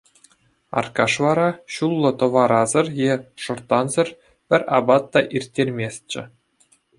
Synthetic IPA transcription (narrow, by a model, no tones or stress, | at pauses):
ɑ̰rkɑʂʋɑɾɑɕulˠːɤ̆t̪ɤ̆ʋɑɾɑzɤ̆rjeʂɤ̆rt̪ːɑnzɤ̆r | pʲɘ̆rʲɑ̰bɑt̪ːɑʔirʲtʲːerʲmʲes̚ʲt͡ɕɘ̆